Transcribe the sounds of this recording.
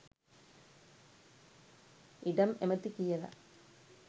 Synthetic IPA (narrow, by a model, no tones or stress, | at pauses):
iɽɐmemɐt̪ːikʲːijɐðɐ̰